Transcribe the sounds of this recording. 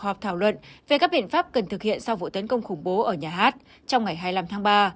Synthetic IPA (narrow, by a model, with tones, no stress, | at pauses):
hɔ˨˩p̚t̪ʰaː˧˩wlwə̰˧˨nve˨˩kaː˦˥k̚ɓḭ˧˨ənfaː˦˥p̚kə˨˩nt̪ɨ˨˩k̚hḭ˧˨ənsa˧wvṵ˧˨t̪ə˨˦nkə˧wŋ͡mxʊ˧˩ŋ͡mɓo˨˦ʔəː˧˩ɲaː˨˩ɦaː˦˥t̚ | t͡ɕɔ˧wŋ͡mŋa˨˩jɦaː˧jla˧mt̪ʰa˨˦ŋɓaː˧